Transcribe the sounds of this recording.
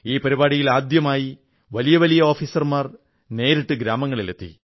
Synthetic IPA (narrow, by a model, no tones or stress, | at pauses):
iːpɐɾibaːɽijilaːd̪jɐmaːji | ʋɐlijɐʋɐlijɐo̞ːfiːsɐrmaːr | ne̞ːɾiʈːɨɡɾaːmɐŋːɐɭilet̪ːḭ